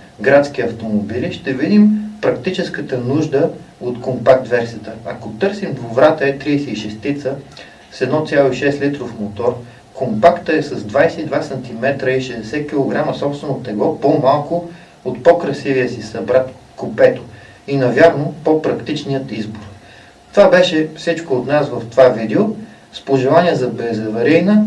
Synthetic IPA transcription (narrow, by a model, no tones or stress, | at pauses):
ɡɾat̪skʲiɐft̪omobiliʃt̪ɛvid̪impɾɐkt̪it͡ʃɛskət̪ənuʒd̪əot̪kompakt̪vɛɾsiət̪əɐkot̪ɤɾsimd̪vovɾat̪əɛt̪ɾiːsɛiʃɛst̪it̪sə | sɛd̪nɔt̪sʲjalˠoiʃɛslit̪ɾofmot̪ɔɾ | kompakt̪əɛsɐzd̪vajsɛid̪vasɐnt̪imɛt̪ɾəiʃɛd̪ɛsɛk̟ʲilˠoɡɾaməsɔpst̪vɛnot̪ɛɡɔpomalˠkʊ | ot̪pokɾɐsiviəsisɐbɾat̪ | kopɛt̪o̥ | inɐvʲjaɾnopopɾɐkt̪it͡ʃnijət̪izboɾ | t̪ovabɛʃɛfsit͡ʃkoːt̪nasvəft̪ovavid̪ɛo | spoʒɛlˠaniɛzɐbɛzɐvɐɾijnə